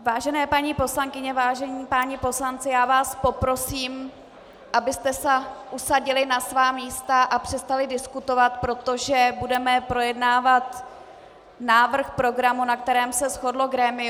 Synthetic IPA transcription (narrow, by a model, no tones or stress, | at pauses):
vaːʒɛnɛːpaɲiːpo̞slaŋkɪɲɛvaːʒɛɲiːpaːɲɪpo̞slant͡sɪjaːvaːspo̞pɾo̞siːm | ʔabɪst̪ɛsɛʔusaɟɪlɪnasvaːmiːst̪aʔapr̥ɛst̪alɪdɪskut̪o̞vat̪pɾo̞t̪o̞ʒɛbudɛmɛpɾo̞jɛdnaːvat̪ | naːvr̩xpɾo̞ɡɾamunak̚t̪ɛɾɛːmsɛsxo̞dlo̞ɡɾɛːmɪ